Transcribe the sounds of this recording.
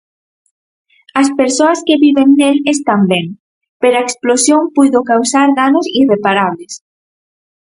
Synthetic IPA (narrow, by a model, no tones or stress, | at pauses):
ɐspeɾsoɐskeβiβeŋːelest̪ambɛŋ | peɾoaeksplosjoŋpujðokawsaɾðanosirepaɾaβ̞les